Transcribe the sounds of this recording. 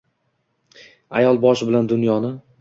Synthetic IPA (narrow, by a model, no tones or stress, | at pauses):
ajɒlˠbɒʃɪbɪland̪ʊnjɒnɪ